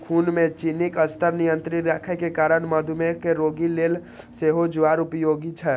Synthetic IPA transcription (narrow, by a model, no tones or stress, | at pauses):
kʰuːnmẽt͡ʃinikəst̪ʰəɾnijə̃nt̪ɾiɾɛkʰɛkekaːɾəɽməd̪ʱumekeɾoːɡileːl | seɦod͡ʒʊaːɾʊpjoːɡit͡ʃʰɛ